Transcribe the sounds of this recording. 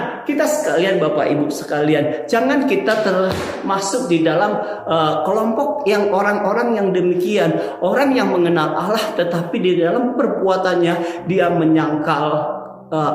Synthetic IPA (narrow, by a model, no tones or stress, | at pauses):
kit̪asə̥kalianbapa̰ʔibʊsə̥kaliand͡ʒaŋankit̪at̪ərh | masʊk̚didalam | ʔəkəlɔmpɔk̚jaŋoɾaŋoɾaŋjaŋdəmikianʔoɾaŋjaŋməŋənalʔalaht̪ət̪apididalampərbuat̪anɲadiaməɲaŋkal | ə